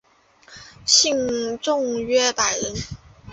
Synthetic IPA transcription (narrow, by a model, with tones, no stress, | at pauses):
ɕi˥˧ŋʈ͡ʂʊ˥˧ŋɥɛ˥˩pa˨˩ɪɻə˧˥n